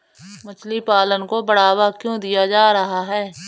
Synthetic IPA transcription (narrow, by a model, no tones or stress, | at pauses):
mʊt͡ʃʰlipaːlənkobəɽaːwakjõːd̪ijad͡ʒaːɾɐɦaɦɛː